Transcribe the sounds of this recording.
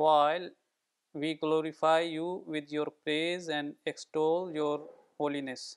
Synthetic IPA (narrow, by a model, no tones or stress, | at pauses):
ʋaɪl | ʋiːɡloːɾifaɪjuːʋɪd̪joːɾpɾeːzɛ̃ɳɖeksʈoːljoːɾ | hoːlines